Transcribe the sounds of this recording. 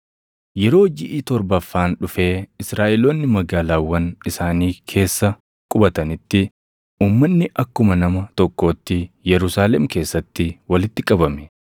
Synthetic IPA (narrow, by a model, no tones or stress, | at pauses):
jɛɾo̞ːd͡ʒɪʔiːt̪ɔɾbɐfːaːnᶑʊfe̞ːɪsɾaːʔɛloːnːɪmɐɡaːlaːwːɐnɪsaːniːkʰe̞ːsːɐ | kʼʊbɐt̪ɐnɪt̪ːɪ | uːmːɐnːɪʔɐkːʊmɐnɐmɐt̪ɔkːo̞ːt̪ːɪjɛɾʊsaːlɛmke̞ːsːɐt̪ːɪwɐlɪt̪ːɪkʼɐbɐmɛ